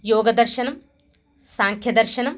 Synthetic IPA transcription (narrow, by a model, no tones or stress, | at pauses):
joːɡɐd̪ɐrʃɐnɐm | saːŋkʰjɐd̪ɐrʃɐnɐm